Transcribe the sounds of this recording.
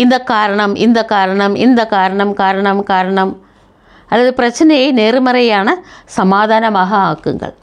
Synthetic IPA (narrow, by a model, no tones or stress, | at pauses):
ind̪ɐkːaːɾɐɳɐmḭnd̪ɐkːaːɾɐɳɐmḭnd̪ɐkːaːɾɐɳɐmkaːɾɐɳɐmkaːɾɐɳɐm | ɐlːɐðɨprɐt͡ɕːnɐjeneːrumɐrɐjaːɳɨsɐmaːd̪ʱaːnɐmaːɦɐaːkːṵŋɡɐ̰ɭ